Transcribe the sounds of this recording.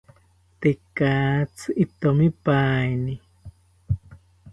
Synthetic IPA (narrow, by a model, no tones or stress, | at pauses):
t̪ekaːt͡sʰit̪omipajni